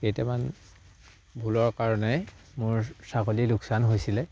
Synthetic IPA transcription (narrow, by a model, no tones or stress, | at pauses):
kejtɛman | bʱulɔɹkaɹɔnɛ | mʊɹsakolilʊksanɦojsilɛ